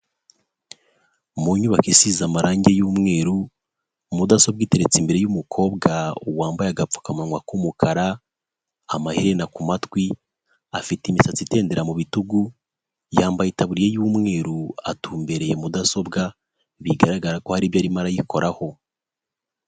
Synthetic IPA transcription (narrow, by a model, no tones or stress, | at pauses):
muɲuβakisizamaɾaːɲɟe̞juːmŋe̞ːɾu | mudaso̞b̚ɡite̞ɾet͡simbe̞ɾe̞jumukʰo̞ːbɡauwaːmbajaɡap͡fu̥kamawakumukʰaɾaː | maheɾe̞nakumatwi | afitimisat͡site̞ːnde̞ɾamuβituɡu | jaːmbajitaβuɾije̞juːmŋe̞ːɾua̰tuːmbe̞ɾe̞jemudaso̞bɡa | βiɡaɾaɡaɾako̞haɾiːβjaːɾimaɾajikʰo̞ɾʔaho̞